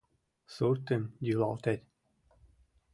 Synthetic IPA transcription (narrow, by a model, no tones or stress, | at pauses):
suɾt̪ɘmjylɑlt̪æt̪ʲ